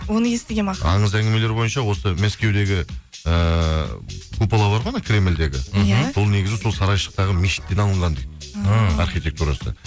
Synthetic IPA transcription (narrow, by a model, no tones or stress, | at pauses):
wo̞nəje̞st̪ɪɡʲemɑɑɴəzæŋɡʲɪmele̞ɾbo̞jənʃɑwo̞səmæskʲe̞wd̪e̞ɡʲɪ | ə | kʰupɑlˠɑbɑɾʁɑnəkʲʰɾʲe̞mɪld̪e̞ɡʲɪ̰bolˠne̞ɡʲɪzɪsolˠsɑɾɑjʃə̥q̚t̪ɑʁəmeʃɪ̥t̪ːe̞nɑlˠəɴʁɑnd̪et̚ɑɾχijtʲe̞k̚t̪uɾɑsə̰